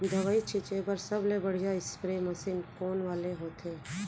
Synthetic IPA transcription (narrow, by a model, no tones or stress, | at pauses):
d̪ʱəʋait͡ʃʰɪt͡ʃepəɾsɐblebəɽ̤ijaɪspɾemɐsɪnkoːnʋaːleɦoːt̪eː